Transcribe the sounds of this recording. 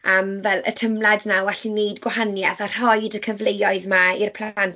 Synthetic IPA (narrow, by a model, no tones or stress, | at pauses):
əmvɛlˠə̰tʰəmlˠadnawɛɬinejdɡwahanjaθar̥ɔjdəkʰəvlejɔɨðmairpʰl̥ˠan